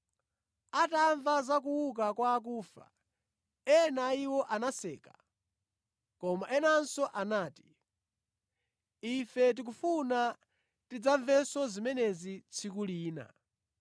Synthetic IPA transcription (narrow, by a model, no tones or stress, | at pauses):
ataɱvazakuwuk̬akwaːk̬uːfa̰ | ɛnaiwɔʔanasɛːka | kɔmaʔɛnansɔʔanaːti̥ | ifɛt̬ik̬ufuna | tid͡zaɱvɛsɔzimɛnɛzit͡sʰik̬uliːna̰